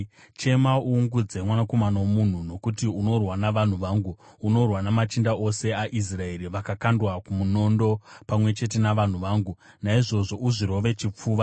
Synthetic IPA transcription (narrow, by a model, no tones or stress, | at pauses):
t͡ʃe̞mauŋɡud͡ze̞mwanako̞manawomun̤uno̞kutiuno̞rwanaʋan̤uʋaːŋɡuːno̞rwanamat͡ʃindao̞se̞aʔis̬rae̞ɾiʋakakandwakumuno̞ndo̞pamwe̞t͡ʃe̞t̬e̞naʋan̤uʋaːŋɡu | naiʐo̞ʐo̞ʔuʐiɾo̞ʋe̞t͡ʃip͡fuːʋa